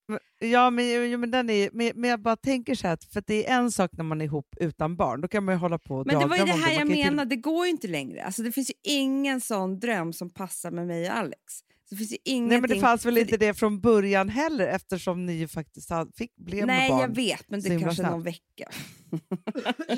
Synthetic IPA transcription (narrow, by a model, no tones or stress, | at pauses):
m | jɑːmɛnjjuːmɛnd̪ɛnæɾjmɛnmɛnjɑːɡbɑːɾat̪ʰɛŋkəʂhæːɾat̪fœɾat̪d̪ɛːɾʔɛnsɑːknæɾmanɪɾɪɦuːpːʉ̟ːt̪anbɑ̰ːɳd̪ɔkʰanj̪manjɵɦɔlːapʰɔɔdmɛnɾɑd̪ːɛvaɾd̪ɛɦæːɾjameːnad̪ɛɡoːjʏɪnt̪əlɛŋɾə̰a̰lsɔd̪ɛfɪnsjɵʔɪŋːənsɔnːd̪ɾœmːsɔmpʰasːaɾmɛmɛjɔa̰lːɛ̰ks | sd̪ɛfɪnsjəʔɪŋːnɛːmɛnd̪fansvɛlɪnt̪əd̪ɛfɾɔnbœɾjanɦɛlːəɾɛft̪əʂɔmnɪjɵfak̚t̪ɪst̪had̪əfɪkːblɛvnɛɑːveːt̪mɛnsd̪ɛɔɪmʰalʂəanɔnvɛkːa̰